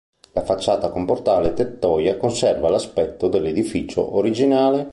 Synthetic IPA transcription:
lafat͡ʃːaːt̪akomport̪aːlet̪et̪ːɔːjakonsɛrvalaspɛt̪ːod̪elːed̪ifit͡ʃo̰ʔoɾid͡ʒinaːle

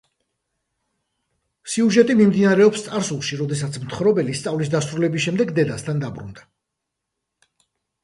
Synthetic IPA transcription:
siuʒɛt̪ʼimimd̪inaɾɛɔpst̪sʼaɾsulˠʃiɾɔd̪ɛsat̪sʰmt̪ʰχɾɔbɛlist̪sʼavlisd̪asɾulɛbisʃɛmd̪ɛɡd̪ɛd̪ast̪ʰand̪abɾṵnd̪a

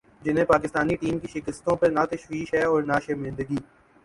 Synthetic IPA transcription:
d͡ʒɪnɦẽpaːkɪst̪aːniʈiːmkiʃɪkəst̪õpɐɾnaːt̪ɐʃʋiːʃɦɛɔːɾnaːʃemɪ̃nd̪əɡiː

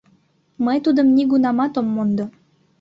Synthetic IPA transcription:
məjt̪ud̪əmniɡunɑmɑt̪omːond̪o

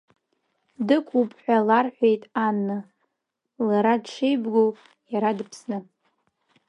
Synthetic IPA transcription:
dɨkʷʰʼupʼħʷᶣalarħʷᶣe̞jtʼanːɨ | laɾadʈ͡ʂʰejbɡowʼ | jaɾadɨpʰsnɨ

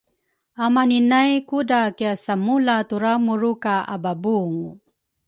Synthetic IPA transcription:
amaninajkudakiasamulat̪uɾamuɾukaʔa̰babuŋ

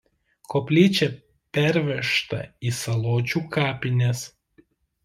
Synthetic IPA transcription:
koːpʲlʲiːt͡ʃʲɛ | pʲæɾʲʋʲɛʃt̪ɐ̰iːsɐlˠoːt͡ʃʲuːkɑːpʲɪnʲɛs

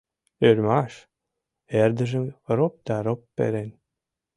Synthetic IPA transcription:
øɾʲmɑʃ | eɾd̪ə̆ʒə̆mɾop̚d̪ɑɾopːḛɾen

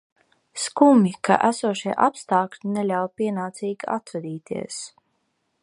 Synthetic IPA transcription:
skumʲika̰ʔæsuɔʃiɛʔapst̪aːklʲinelʲawpʲiɛnaːt̪siːɡʲia̰t̪vɛd̪iːt̪ḭɛs

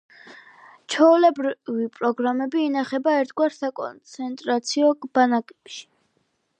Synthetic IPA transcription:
t͡ʃʰɔulɛbɾivipʼɾɔɡɾamɛbiːnaχɛbaɛɾt̪ʰɡwaɾsakʼɔ̰nt̪sʰɛnt̪ʼɾat̪sʰiɔb̥anakʼɛpʃi̥

